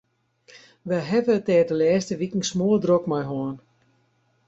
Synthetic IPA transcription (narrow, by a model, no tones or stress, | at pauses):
ʋɛjɦɛvətɛːrdəlɛːstəʋikŋ̩smoədrokmajɦɔːn